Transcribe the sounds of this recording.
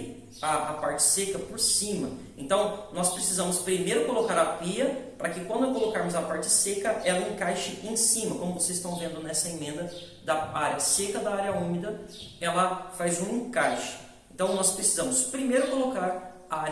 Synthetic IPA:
aːpaɾt͡ʃɪ̥sekɐpoɾsĩmɐ | ẽnt̪ɐ̃w̃nɔspɾesizɐ̃mʊspɾimejɾʊkolokaɾɐpiɐpɾɐkɪkwɐ̃nd̪ʊkolokaɾmʊzɐpaɾt͡ʃɪsekɐʔɛlɐẽkajʃɪʔẽsĩmɐkõmʊvosezɪst̪ɐ̃w̃vẽnd̪ʊnɛsɐemẽnd̪ɐ | d̪ɐaɾjɐsekɐd̪ɐaɾjɐũmid̪ɐɛlɐfajzũẽkajʃɪ̥ | ẽt̪ɐ̃w̃nɔspɾesi̥zɐ̃mʊspɾimejɾʊkolokaɾ | aa

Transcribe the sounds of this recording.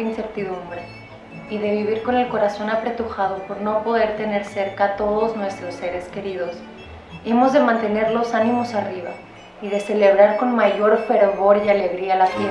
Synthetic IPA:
inse̞ɾt̪iðumbɾe | iðe̞βiβ̞iɾko̞ne̞lko̞ɾaso̞napɾe̞t̪uxað̞o̞po̞ɾno̞po̞ðe̞ɾt̪e̞ne̞ɾse̞ɾkat̪o̞ðo̞znwe̞st̪ɾosːe̞ɾe̞ske̞ɾiðo̞s | e̞mo̞zðe̞mãnt̪e̞ne̞ɾlo̞sanĩmo̞sariβa | iðe̞se̞le̞β̞ɾaɾko̞nmaʝo̞ɾfe̞ɾβo̞ɾiale̞ɣɾialafe

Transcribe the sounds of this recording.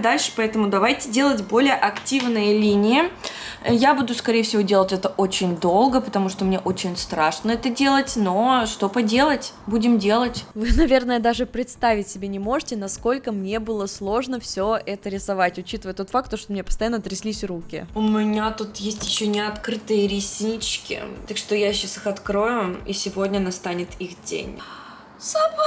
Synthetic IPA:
d̪alʲʂɨ̥pɐɛt̪əmʊd̪ɐvajtʲɪdʲe̞lˠətʲbo̞lʲɪjəʔɐktʲivnɨjəlʲinʲɪɪ | jabud̪ʊskɐɾʲejfsʲɪvodʲelˠətʲɛt̪əʔo̞t͡ɕɪnʲd̪o̞lˠɡəpət̪ɐmuʂt̪omnʲe̞ʔot͡ɕɪnʲst̪ɾaʂnəɛt̪ədʲe̞lˠətʲno̞ʂt̪o̞pɐdʲe̞lˠətʲbudʲɪmdʲe̞lˠətʲvɨnɐvʲe̞rnəjəd̪aʐɨpɾʲɪt̪st̪avʲɪtʲsʲɪbʲenʲɪmo̞ʐɨtʲɪnɐsko̞lʲkəmnʲe̞bɨlˠəslˠo̞ʐnəfsʲoʔɛt̪əɾʲɪsɐvatʲʊt͡ɕit̪əvəjət̪o̞t̪fak̚t̪ːoʂt̪omnʲepə̥st̪ɐjanːəɐt̪ɾʲɪsʲlʲisʲrukʲɪ̰ʊmʲɪnʲat̪ut̪jesʲtʲjɪɕːonʲɪɐt̪kɾɨt̪ɨjəɾʲisʲnʲit͡ɕkʲɪ̰t̪akʂt̪ojaɕːasɨxɐt̪kɾo̞jʊisʲɪvo̞dʲnʲənast̪anʲɪt̪ixdʲḛnʲ | sa

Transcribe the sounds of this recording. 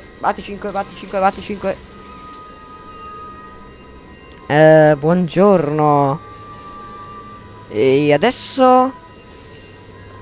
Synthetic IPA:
va̰ːt̪it͡ʃiŋkwevat̪ːit͡ʃiŋkwevat̪ːit͡ʃiŋkwe | ɛbwɔnd͡ʒorno | ead̪ɛsːo

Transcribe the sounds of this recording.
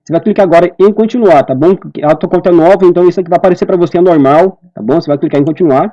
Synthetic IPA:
sevajklikaaɡɔɾɐẽkõnt͡ʃĩnuaɾt̪abõw̃at̪uɐkõnt̪ɐɛnɔvɐẽnt̪ɐ̃w̃isʊɛkɪvajpaɾesepɾɐvoseɛnoɾmawt̪a̰bõw̃sevajklikaɾẽkõt͡ʃĩnuaɾ

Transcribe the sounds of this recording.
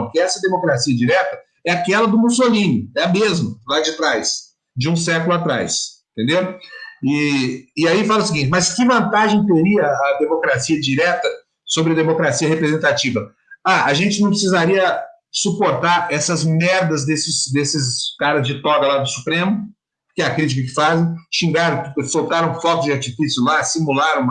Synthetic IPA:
kɪɛsɐd̪emokɾasiɐd͡ʒiɾɛt̪ɐ | ɛakɛlɐd̪ʊmusolĩnʊɛɐmezmɐlad͡ʒɪt̪ɾajs | d͡ʒɪũsɛkʊlʊat̪ɾa̰jsẽt̪ẽnd̪ewʊɪɪaifalɐʊsiɡĩt͡ʃɪmɐskɪvɐ̃nt̪aʒẽj̃t̪eɾiɐːd̪emokɾasiɐd͡ʒiɾɛt̪ɐ | sobɾɪɐd̪emokɾasiɐhepɾezẽnt̪at͡ʃivɐ | aʔaʒẽnt͡ʃɪnɐ̃w̃pɾɪsizaɾiɐ | supoɾt̪aɾɛsɐzmɛɾd̪ɐzd̪esɪsd̪esɪskaɾɐzd͡ʒɪt̪ɔɡɐlad̪ʊsu̥pɾẽmʊ | pkɪɛɐkɾit͡ʃikɐk̬ɪ̥fazẽj̃ʃĩŋɡaɾɐ̃w̃kʊsowt̪aɾɐ̃w̃fɔt̪ʊzd͡ʒaɾt͡ʃifisjʊlasimulaɾɐ̃w̃

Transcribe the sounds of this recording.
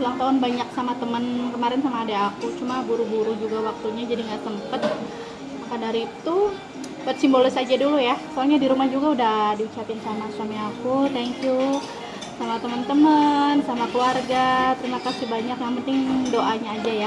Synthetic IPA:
ulaŋt̪aɦʊnbaɲak̚samat̪əmənkəmaɾɪnsamaːdaːkut͡ʃumabuɾubuɾud͡ʒuɡawak̚t̪uɲad͡ʒadiŋɡaʔsəmpət̪̚ | akandaɾit̪u | bat̪̚simbolɪsad͡ʒadulujakaɲadiɾumahd͡ʒuɡaudahdiut͡ʃapɪnsamasamiakut̪ɛŋkju | samat̪əmənt̪əmənsamakəluarɡat̪əɾimakasɪbaɲakjaŋpənt̪ɪŋdoʔaɲaːd͡ʒaja

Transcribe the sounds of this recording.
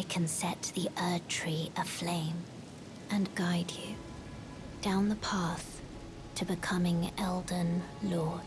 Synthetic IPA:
ɪkʰɨ̃nsɛt̪̚ðiʔɜ˞tʰɹ̥iə̥flẽɪ̃m | ʔɨ̃nɡaɪdʉ | d̥ãʊ̃nðəpʰɑˑθ | tʰɨbɨkʰʌmɪ̃ŋɛlˠdən̩lɔː

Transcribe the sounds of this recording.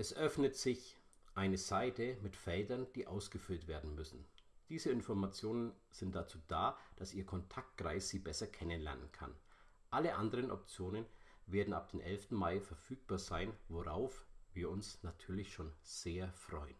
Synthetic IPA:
ʔɛsʔœfnətz̥ɪç | ʔaɪnəzaɪtəmɪtfɛldɐnd̥iːʔaʊsɡ̥əfʏltv̥eːɐdn̩mʏsn̩ | d̥iːzəɪnfɔɐmat͡sjoːnən | z̥ɪntd̥at͡suːdaːd̥asʔiːɐkʰɔntʰak̚t̚ɡ̥ʁ̥a̰ɪsz̥iːbɛsɐkʰɛnənlɛ̰ɐnə̰nkʰa̰n | ʔaləʔandəʁ̞ənʔɔ̰p̚t͡sjoːnənveːɐdn̩ʔa̰p̚d̥eːmʔɛlftn̩maɪfɛɐfyːk̚b̥aːɐzaɪnvoʁaʊfviːɐʊnsnatʰyːɐlɪçʃoːnz̥eːɐfʁ̥ɔʏən

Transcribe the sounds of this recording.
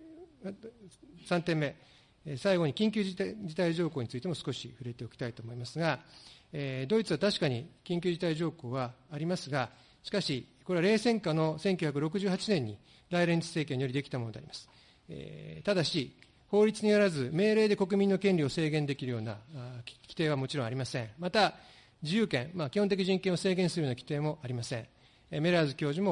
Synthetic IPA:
ma | sãnt̪ẽ̞mːe̞ | saiɡo̞ɲ̟ikʲĩŋkʲɨːd͡ʑit̪aiʑo̞ːkoːɲ̟it͡sɨit̪e̞mo̞sɨ̥ko̞ɕiɸɯ̟ɾe̞t̪e̞o̞kʲi̥t̪ait̪o̞ːmo̞imasɨɡaed̪o̞it͡sɨβat̪aɕi̥kaɲ̟ikʲĩŋkʲɨːʑit̪aiʑo̞ːko̞ːβ̞aːɾʲimasɨɡa | ɕi̥kaɕiko̞ɾe̞aɾe̞ːsẽ̞ŋkano̞sẽ̞ŋkʲɨçak̬ɯɾo̞k̬ɯ̟ʑɨːɦat͡ɕinẽ̞ɲ̟ːḭ | d̪aiɾẽ̞ɲt͡sɨ̥se̞ːk̬ʲẽ̞ɲːijo̞ɾʲid̪e̞kʲi̥t̪amo̞no̞d̪ḛɾʲi̥̰masɨ̥ | ḛt̪ad̪aɕi | ho̞ːɾʲit͡sɨɲ̟ijaɾazɨme̞ːɾe̞ːd̪e̞ko̞k̬ɯ̟mʲĩnːo̞kẽ̞nʲio̞se̞ːɡẽ̞nd̪e̞kʲiɾɯ̟jo̞ːnakʲi̥t̪e̞ːβ̞amo̞t͡ɕiɾõ̞aɾʲimasẽ̞mat̪a | d͡ʑijɯ̟ːkẽ̞makʲihõnt̪e̞k̬ʲiʑĩŋkeɰ̃o̞se̞ːɡẽ̞ɰ̃sɨɾɯjoːnakʲi̥t̪e̞ːmo̞ʔaɾʲimasẽ̞ɴ̃ | me̞ɾazɨkʲo̞ːʑimo

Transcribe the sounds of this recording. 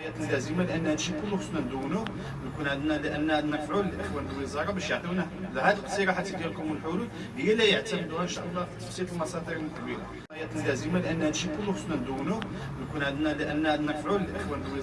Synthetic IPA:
jæt̪ənlːæzəmalʔənːhnʃikʊlːuxəsnænd̪uwːnu | nkunʕəd̪nælʔənːæəd̪nəɾfʕuləlʔəxwænəlwəzˤɑɾˤɑbæʃjəʕd̪uwnælhæd̪lqsˤiɾɑħat̪ːid̪jælkʊməəlħulud̪ | əjælæjəʕt̪əməd̪uənʃæʔəlˤːɑfi̥t̪ːɑ̥fsit̪əlmɑsˤɑd̪əɾəlməlkbiɾa | jæt̪ənlæzəmalʔənːænʃikʊlːuxəsnænd̪wːnu | nkunʕəd̪nælʔənːæʕəd̪nəɾˤfʕuləlʔəxwænəlwi

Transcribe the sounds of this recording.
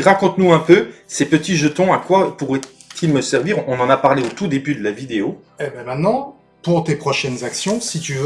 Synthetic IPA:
ʁakɔ̃t̪nuɛ̃pøsepət̪iʒət̪ɔ̃akwapuʁɛ | t̪ʰilməsɛʁviʁɔ̃nɑ̃napaʁleot̪ud̪ebyd̪əlavid̪eo | ɛbɛ̃mɛ̃t̪nɑ̃ | puʁt̪epχɔʃɛnzaksjɔ̃sit̪yv

